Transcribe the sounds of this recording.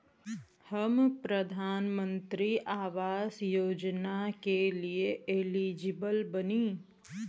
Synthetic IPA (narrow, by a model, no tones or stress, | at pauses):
həmpɾəd̪ʱaːnmə̃nt̪ɾiʔaːʋaːsjoːd͡ʒnakelieeliːd͡ʒɪbəlbəniː